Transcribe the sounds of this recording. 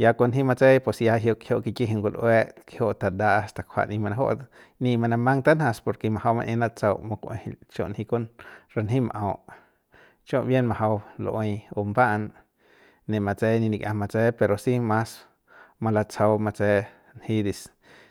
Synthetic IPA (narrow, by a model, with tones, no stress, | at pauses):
ja˧ko˧nɦi˦ma˧t͡se˦jpe˧sja˧ɦjo˧ʔkhjo˧ʔki˧ki˦ɦi˧ŋkʷo˧lʔwe˦ʔke˧ho˦ʔt̪a˧d̪a˦ʔa˧st̪a˧kʷʰa̰˧ʔnĩ˧ma˧na˧ɦo̰˦ʔ | nĩ˧ma˧na˧mã˦ŋt̪a˦na˧spo˨ɾke˧ma˧ha˧wmã̰˧ʔẽ˧na˦t͡sa˧wmo˧kʷʔḛ̃˧hḭ˧lt͡ʃjõ̰˧ʔnhi˧ko˦nɾa˧nɦĩ˦ma̰˧ʔõ˧˨ʔ | t͡ʃõ˦˧ʔbje˦nmã˧ɦa˧wlo̰˧ʔõ˧jo˧mba˦ʔn | nẽ˧ma˧t͡se˦jnĩ˧nĩ˧kjʔã˧ma˧t͡se˦pe˧ɾo˨si˦ma˦s | ma˧la˧t͡sʰa˧wma˧t͡se˦˧ | nhi˧d̪i˧s